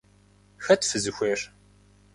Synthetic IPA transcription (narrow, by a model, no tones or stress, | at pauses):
xɐtfɨzɨxʷeːr